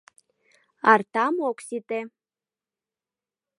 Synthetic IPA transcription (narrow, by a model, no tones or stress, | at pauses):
art̪amokʷsit̪ʼe